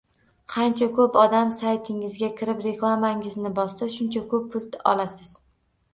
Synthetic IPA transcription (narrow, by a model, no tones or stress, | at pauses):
qʰɑnt͡ʃʰakʰɵpɒd̪amsajt̪ʰɪŋɪzɡʲakʲʰɪɾɪpɾe̞klˠamaŋɪznɪbɒsaʃʊnt͡ʃʰakʰɵpːʰʊlˠt̪ɒ̰lasɪz̥